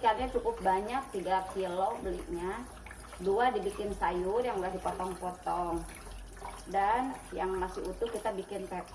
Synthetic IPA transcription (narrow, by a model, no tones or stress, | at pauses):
karɲat͡ʃukʊp̚baɲak̚t̪iɡakilobəlḭʔ̚ɲa | duadibikɪnsajʊrjaŋulahdipɔt̪ɔŋpɔt̪ɔŋ | danjaŋmasɪʔut̪ʊkit̪abikɪnp̪ɛt̪̚